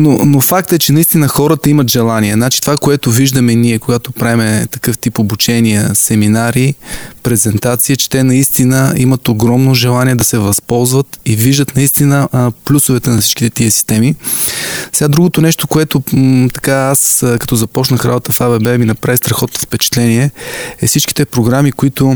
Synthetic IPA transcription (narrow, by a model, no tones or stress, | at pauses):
nonofak̚t̪ɛt͡ʃɛnɐist̪inəxɔɾət̪əimɐt̪ʒɛlˠaniɛznat͡ʃi̥t̪ovakoɛt̪ʊviʒd̪əmɛniɛkoɡat̪opɾaimɛt̪ɐ̥kɤft̪ipobut͡ʃɛniəsɛminaɾipɾɛzɛnt̪at̪siət͡ʃɛ̥t̪ɛnɐist̪inəimət̪oɡɾɔmnoʒɛlˠaniɛd̪ɐsɛvɐspɔlˠzvət̪iviʒd̪ət̪nɐist̪inəplʲusovɛt̪ɛnɐfsit͡ʃʃk̟i̥t̪ɛt̪iəsi̥st̪ɛmi | sɛɡad̪ɾuɡot̪onɛʃt̪okoɛt̪ot̪ɐ̥kaaskɐt̪ɔzɐpɔt͡ʃnəxɾa̰bət̪əfabɛbɛiminɐpɾavist̪ɾɐxɔt̪oofpɛt͡ʃɛ̥t̪lɛniɛɛfsit͡ʃki̥t̪ɛpɾoɡɾamikʊit̪o